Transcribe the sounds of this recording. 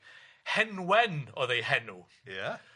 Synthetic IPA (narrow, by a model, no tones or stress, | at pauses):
hɛnwɛnɔðejɦɛnu | ja